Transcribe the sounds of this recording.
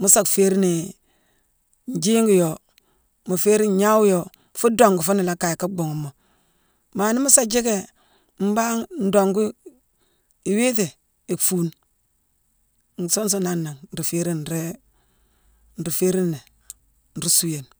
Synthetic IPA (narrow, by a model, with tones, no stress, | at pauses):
mu˦sa˨kfe˦ɾi˦ni˨ | n˨d͡ʒi˦ŋɡu˦˨jo˨ | mu˨fe˦ɾi˦ɲa˦wjo˨ | fu˦do˨ŋɡu˨fu˦ni˨la˦ka˨ji˨ka˦ɡ͡bo˨ŋu˨mːo˨ | ma˨ni˦mu˦sa˦d͡ʒi˦ke˨ | m̩˦ba˦ŋn̩˦do˨ŋɡu˦ | i˨we˦te˨ | i˨kfu˨n | ŋ˨so˦n˦s̬o˦na˦nːa˨ŋn̩˨ɾi˨fe˦ɾi˦n˨ɾe˦ | n̩˨ɾi˨fe˦ɾi˦ne˨ | n̩˨ɾi˦su˦je˨n